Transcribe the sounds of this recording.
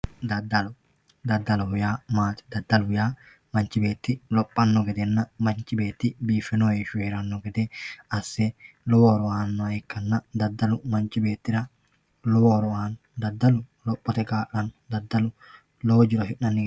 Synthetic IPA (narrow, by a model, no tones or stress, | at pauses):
d̪ɐd̪ɐlʊ | d̪ɐd̪ːɐlʊhʊjaːmaːt̪ɪ̥d̪ɐd̪ːɐlʊʊjaː | mɐnt͡ʃːɪbe̞ːt̪ːɪlɔpʼːɐnːɔɡɛd̪ɛnːɐmɐnt͡ʃːɪbe̞ːt̪ːɪbiːfːɪnojeʃʊeːɾɐnːɔɡɛd̪eɐsːɛlɔwɔɾɔaːnːɔɪkːɐnːɐd̪ɐd̪ːɐlʊmɐnt͡ʃɪbe̞ːt̪ːɪɾɐ | lɔwɔɾɔaːnːɔd̪ɐd̪ːɐlʊ | lɔpʼːɔt̪ɛkaːʔɐnːʊd̪ɐd̪ːɐlʊ | lɔwd͡ʒɪɾɐʃɪʔɐnːɪɡ